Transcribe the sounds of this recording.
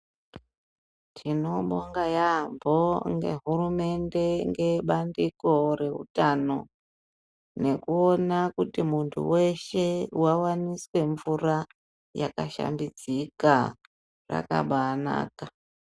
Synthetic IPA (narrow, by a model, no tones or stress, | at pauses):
tʰino̞ɓoŋɡajambo̞ŋɡe̞̰ɦurume̞nde̞ŋɡe̞ɓandiko̞re̞ɦṵtano̞ | ne̞kuonakutimuntʰṵwe̞ʃe̞wawaniswe̞ɱvura | jakaʃa̰mbid͡zika | ra̰ka̰ɓana̰ːka